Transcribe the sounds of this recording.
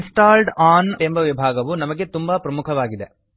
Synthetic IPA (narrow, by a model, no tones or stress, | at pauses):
nsʈaːlɖaːnembɐʋibʱaːɡɐʋunɐmɐɡet̪umbɐpɾɐmukʰɐʋaːɡid̪e̞